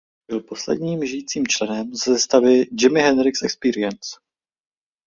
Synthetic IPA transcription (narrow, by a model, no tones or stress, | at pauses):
ɪlpo̞slɛ̰dɲiːmʒɪjit͡siːmt͡ʃlɛnɛmzɛst̪avɪd͡ʒɪmɪɦɛnɾɪksɛkspiːɾɪɛns